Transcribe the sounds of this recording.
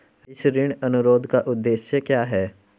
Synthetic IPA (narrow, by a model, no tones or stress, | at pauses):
ɪsɾɪɳ̃ɐnʊɾoːd̪ʱkaʔʊd̪ːeːʃjəkjaːɦɛː